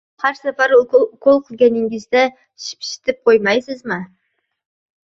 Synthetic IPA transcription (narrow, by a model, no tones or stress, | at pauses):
hæɾsɛpɑɾʊʊkʰolˠqʰəlˠɡʲɛnɪŋɪzd̪ɛ | ʃi̥pʃɪ̥t̪ʰɪp̚qʰojmɑjsɪzmɪ